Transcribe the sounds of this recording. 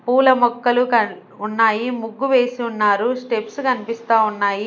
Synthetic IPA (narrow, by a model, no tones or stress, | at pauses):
puːlɐmɔkːɐlukɐ | unːaːjimuɡːuʋe̞ːsiunːaːɾusʈe̞pskɐnipist̪aːunːaːji